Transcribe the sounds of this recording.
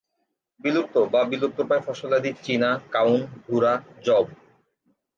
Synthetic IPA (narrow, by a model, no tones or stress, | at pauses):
bilup̚t̪obabiluk̚t̪opaefɔʃolad̪it͡ɕinakawnb̪ʱuɾad͡ʑɔb